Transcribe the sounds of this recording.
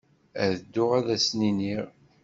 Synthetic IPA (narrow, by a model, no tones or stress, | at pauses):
æðəd̪ːʊʁaðæsniniʁ